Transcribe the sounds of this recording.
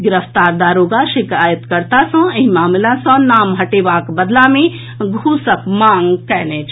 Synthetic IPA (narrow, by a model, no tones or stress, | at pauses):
ɡɪɾəft̪aːɾd̪aːɾoːɡaʃɪkaːjət̪kəɾt̪asɔ̃eɦimaːmlasɔ̃naːmɦɐʈeːʋaːkbɐd̪lamẽ | ɡʱuːsəkmãːŋɡkɛɦlẽːt͡ʃʰ